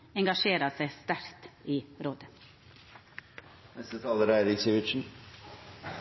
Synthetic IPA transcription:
ɛŋɡɑʃeːɾəsæɪst̪æɾkt̪iːɾoːd̪ə | nɛst̪ət̪ʰɑːləɾæɪɾɪɡseʋɪt̪ʃn̩

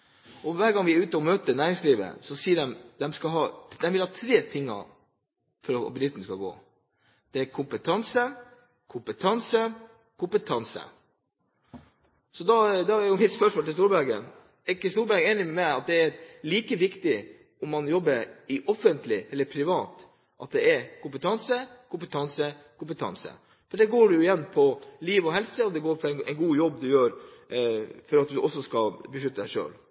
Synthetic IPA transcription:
ɔʋæːɾɡɑŋʋɪæɾʉːt̪ɔmøːt̪ənæːɾɪŋsliːʋə̰sɔsiːəɖɛmd̪ɛmskɑɦɑːd̪ɛmʋɪlhɑːt̪ʰɾeːt̪ʰɪŋːɑ̰ | fɔɾɔ̰bɪd̪ɪt̪n̩skɑɡo̰ː | d̪̥ɛæɾkʰʊmpət̪ʰɑnsə | kʰʊmpət̪ʰɑnsə | kʰʊmpət̪ʰɑnsə̰ | sɔd̪ɑd̪ɑæɾjʊmɪt̪spœʂmoːlt̪ɪlst̪uːɾbæɾɡə̰n | æɪkːɪst̪uːɾbæɾɡəeːnɪmmæɪɑt̪̚d̪ɛæɾliːkəʋɪkt̪ɪ | ɔmːɑnjɔbːəɾɪʔɔfənt̪lɪɛlːəɾpʰɾɪʋɑːt̪ | ʔɑt̪̚d̪ɛɛɾkʊmpət̪ʰɑnsəkʊmpət̪ʰɑnsə | kʰʊmpət̪ʰɑ̰nsə̰ | fɔɖɛɡoːɖɛjʊɪjɛnːpʰɔliːʋɔɦɛlsəɔd̪ɛɡoːɾfɔɾɛnɛ̰ɪnɡuːjɔbːd̪ʉjøːɾ | fɔɾɑt̪̚d̪ʉʔɔsːɔskɑlbəʂʏt̪ːəd̪æʂø̰ːl

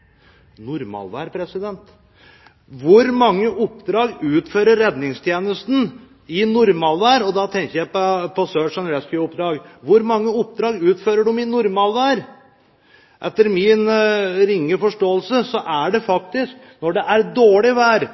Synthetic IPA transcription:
nʊɾmɑ̰lʋæ̰ːɾpʰɾɛsɪd̪ɛnt̪ | ʋʊɾmɑŋːəʔʊpːd̪ɾɑːɡʉːt̪føːɾəːɛd̪nɪŋst̪ʰjeːnəst̪n̩ | ɪnʊɾmɑlʋæːɾɔd̪ɑt̪ʰɛŋkəjæpɔpɔsøːʂɑnɾɛskɪʊpd̪ɾɑːɡʋʊɾmɑŋːəʊpd̪ɾɑːɡʉːt̪føːɾəɖʊmɪnʊɾmɑlʋæːɾ | ʔɛt̪ːəɾmɪnɾɪŋːəfɔʂʈoːəlsəsɔʔæɖɛfɑk̚t̪ɪsk | nɔɖɛʔæɾd̪oːɭɪʋæːɾ

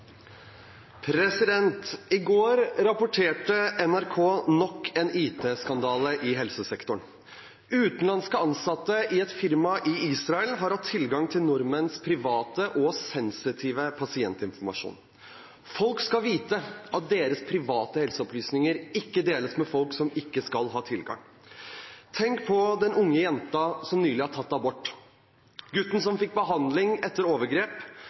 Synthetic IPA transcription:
pʰɾɛsɪd̪ɛnt̪ɪɡoːɾɾɑpʊʈʰeːʈəʔɛnæɾkʰoːnɔkːɛniːt̪ʰeːskɑnd̪ɑːləʔɪɦɛlsəsɛkt̪ʊɳ | ʉːt̪n̩lɑnskəɑnsɑt̪ːəʔɪɛt̪fɪɾmɑʔɪiːsɾɑɛlɦɑɾhɑt̪ʰːɪlɡɑŋt̪ʰɪlnʊɾmənspʰɾɪʋɑːt̪əʔɔsɛnsɪt̪ʰiːʋəpʰɑsɪɛnt̪ɪnfɔɾmɑ̰ʂṵːn | fɔlkskɑlʋiːt̪əɑt̪̚d̪eːɾəspʰɾɪʋɑːt̪əhɛlsəɔplyːsnɪŋəɾɪkːəd̪eːləsmɛfɔlksɔmɪkːəskɑlɦɑːt̪ʰɪlɡɑ̰ŋ | t̪ʰɛŋkpʰɔd̪ɛnʊŋːəjɛnt̪ɑsɔmnyːlɪhɑʈʰɑt̪ːɑbɔʈː | ɡʉt̪ːn̩sɔmfɪk̚ːbəɦɑnd̪lɪŋɛt̪ːəɾoːʋəɾɡɾeːp

